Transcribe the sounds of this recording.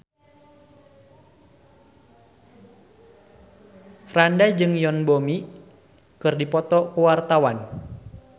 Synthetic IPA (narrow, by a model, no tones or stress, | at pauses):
fɾandajd͡ʒɨŋjɔnbomi | kɨrdipɔt̪ɔkuwart̪awan